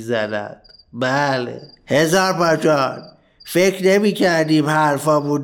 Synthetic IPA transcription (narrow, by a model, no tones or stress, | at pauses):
zænæ̰d̪̥ | bæːlḛ | hezɒːɾpɒːt͡ʃɒːn | fekʰnemiːkʰæɾd̪iːmhæɾfɒːbud̪